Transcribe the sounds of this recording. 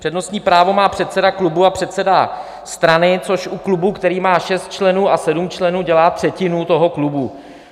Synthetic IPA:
pr̥ɛdno̞st̪ɲiːpɾaːvo̞maːpr̝̥ɛt̪sɛdaklubuapr̝̥ɛt̪sɛda | st̪ɾanɪt͡so̞ʃʔuklubukt̪ɛɾiːmaːʃɛst̪̚t͡ʃlɛnuːʔasɛdumt͡ʃlɛnuːɟɛlaːt̪r̝̥ɛcɪnut̪o̞ɦo̞klubu

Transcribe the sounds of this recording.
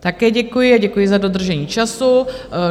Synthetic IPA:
t̪akɛːɟɛkujɪaɟɛkujɪzadod̪r̩ʒɛɲiːt͡ʃasu

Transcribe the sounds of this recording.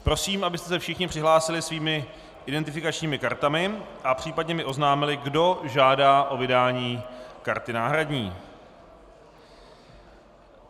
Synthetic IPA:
pɾo̞siːmʔabɪst̪ɛsɛfʃɪxɲɪpr̥ɪɦlaːsɪlɪsviːmɪ | ʔɪdɛnt̪ɪfɪkat͡ʃɲiːmɪkaɾt̪amɪʔapr̥iːpadɲɛmɪʔo̞znaːmɪlɪɡdo̞ʒaːdaːʔo̞vɪdaːɲiːkaɾt̪ɪnaːɦɾadɲiː

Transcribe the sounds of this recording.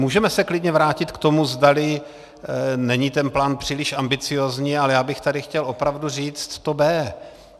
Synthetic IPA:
muːʒɛmɛsɛklɪdɲɛvɾaːcɪt̪kt̪o̞muzdalɪ | nɛɲiːt̪ɛnplaːnpr̝̥iːlɪʃʔambɪt͡sɪjoːzɲiːalɛjaːbɪxt̪adɪxcɛlʔo̞pɾavduriːt͡st̪t̪obɛː

